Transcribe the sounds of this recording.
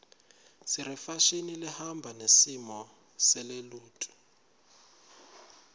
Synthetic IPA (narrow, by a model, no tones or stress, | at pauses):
siɾɛfaʃinilihambʱanesimɔ | sɛleluːtʼu̥